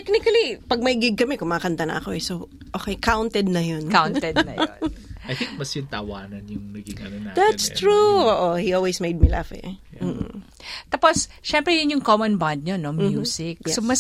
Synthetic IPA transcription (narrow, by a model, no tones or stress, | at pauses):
ɛk̚nɪkɐlipɐɡ̚mɐɪɡɪɡ̚kɐmɛkʊŋmɐkɐnt̪ɐnɐ̰ʔɐko̞ɛsoʔoːkɛjkawnt̪ɛd̪̚nɐjonkawnt̪ɛd̪ɐjɐjθɪ̃ŋk̚mɐsjʊt̪ɐwaːnɐnjʊŋmɐɡɪɡɐɛd̪at̪st̪ɹuoːʔohiʔolwesmejd̪̚mila̰fɛ̰ː | t̪aːposʃɛmpɾɛjʊnjʊŋkomɐnband̪̚ɲonomjuːsɪk̚somɐs